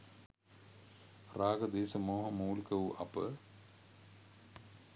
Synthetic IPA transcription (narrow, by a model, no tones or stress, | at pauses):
raːɡɐd̪eːsɐmoːɦɐmuːlkɐʋuʔɐ̰pə̰